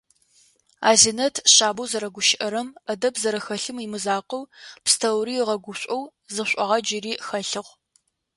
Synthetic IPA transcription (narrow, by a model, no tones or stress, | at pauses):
a̰ːzinɐtʰɕaːbuwzɐɾɐɡʷʊʃɪʔɐɾɐmɐdɐbzɐɾɐxɐɬɨmimɨzaːqəwpstʰɐwɾiːʁɐɡʷʊɕʷʼɐwzɨɕʷʼɐʁɐd͡ʒɪriːxɐɬɨʁʷ